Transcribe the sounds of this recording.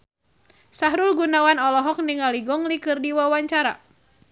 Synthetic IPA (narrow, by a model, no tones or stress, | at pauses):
saɦɾulɡunawanɔlɔɦɔk̚niŋaliɡɔŋlikɨrdiwawaɲt͡ʃaɾa̰